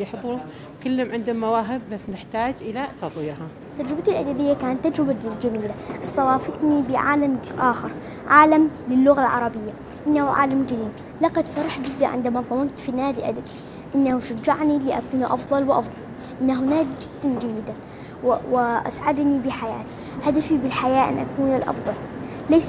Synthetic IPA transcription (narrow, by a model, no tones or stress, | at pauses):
jɪħt̪ˤu | kɪlːamʕɪnd̪ʊmːawaːɦɪb̚ːasːnɪħt̪aːd͡ʒʔɪlat̪ɑt̪ˤwiːɾha | t̪ːad͡ʒɾɪbat̪ɪlʔad̪abɪjːakaːnat̪ːad͡ʒɾɪbad͡ʒamiːlaʔɨsˤt̪ˤɑwɑːfat̪nibɪʕa̰ːlamʔa̰ːxɪɾˤ | ʕaːlamlɪlːʊɣalʕɑ̰ɾˤɑbɪjːa | ʔɪnːahuʕa̰ːlamd͡ʒamiːl | laqɑd̪fɑɾˤɑħd͡ʒɪd̪ːaʕɪ̰nd̪amaðˤɑmɑnt̪finaːd̪iʔad̪abi | ʔɪnːahuʃad͡ʒːaʕniliʔa̰kuːnʔɑ̰fðˤɑlwʔɑ̰fd̪ˤɑl | ʔɪnːaɦunaːd̪id͡ʒɪd̪̥ːand͡ʒajːɪd̪a | wwɪʔa̰sʕad̪nibɪħajaːt̪i̥ | had̪afibɪlħajaːʔɪ̰nʔa̰kuːnɪlʔɑ̰fðˤɑl | lajs